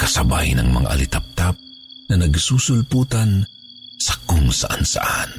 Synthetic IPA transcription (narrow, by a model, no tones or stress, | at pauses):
kɐsɐba̰jnɐ̰ŋmɐ̰ŋa̰ʔɐlɪt̪ɐp̚t̪ap̚ | nɐnɐɡsuːsʊlpuːt̪ɐn | sɐkʊŋsɐʔansa̰ʔan